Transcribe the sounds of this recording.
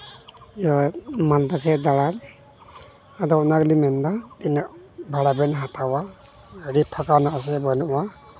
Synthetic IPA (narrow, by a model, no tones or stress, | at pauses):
jɔmand̪asɛd̪aɽan | adɔnaɡlimɛndatinaʔ̚bʱaɽabɛnɦatawa | əɽipʰɔkanaʔas̬ɛbɔjnuʔwa